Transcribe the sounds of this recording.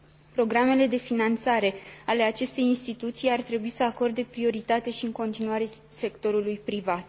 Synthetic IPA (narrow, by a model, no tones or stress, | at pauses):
pɾo̞ɡɾame̞le̞d̪e̞finant̪saɾe̞ale̞at͡ʃe̞st̪e̞jinst̪it̪ut̪sijart̪ɾe̞buisəako̞rd̪e̞pɾio̞ɾit̪at̪e̞ʃiɨŋko̞nt̪inuaɾe̞ | se̞kt̪o̞ɾulujpɾivat̪̚